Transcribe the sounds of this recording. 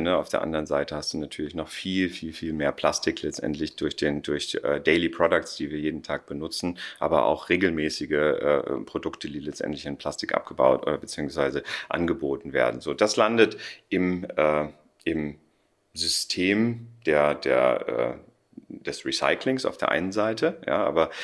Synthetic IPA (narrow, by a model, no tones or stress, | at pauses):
nəaʊfd̥eːɐʔa̰ndəʁənzaɪtəhastd̥uːnatʰyːɐlɪçnɔχfiːlfiːlfiːlmeːɐpʰl̥astɪklɛt͡stʔɛ̰ntʰlɪçd̥ʊɐçd̥eːndʊɐçɛ̰ːdɛɪlipʁ̥ɔdʊkt͡sd̥iːviːɐjeːdn̩tʰaːk̚b̥ənʊt͡sn̩ʔa̰ːbɐʔa̰ʊxʁ̥eːɡl̩mɛːsɪɡəʔɛ̰ːpʁ̥odʊktʰədiːlɛt͡stʔɛ̰ntlɪçanpʰl̥astɪkʔa̰p̚ɡ̥əba̰ʊtʔo̰ːdɐbət͡siːʊŋsv̥aɪzəʔa̰nɡəboːtn̩vḛːɐdn̩zoːd̥aslandətʔɪmʔɛː | ʔɪm | zʏstʰeːmd̥eːɐdḛːɐʔɛ̰ː | d̥ɛsʁisa̰ɪklɪŋsa̰ʊfd̥eːɐʔa̰ɪnənzaɪtʰəja̰ːʔa̰ːbɐ